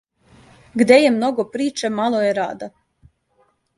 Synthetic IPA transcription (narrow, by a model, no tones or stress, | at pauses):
ɡd̪ɛjɛmnɔɡɔpɾiːt͡ʃɛmalˠɔjɛɾa̰ːd̪a